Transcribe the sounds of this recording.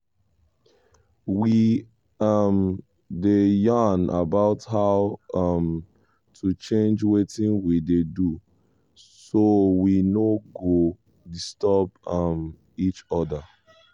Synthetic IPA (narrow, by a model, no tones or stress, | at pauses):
wi | ʌm | dejanʔa̰baʊthaʊʌm | tʰut͡ʃẽnd͡ʒwetĩnwidedu | sowinoɡo | distɔbʌm | it͡ʃɔda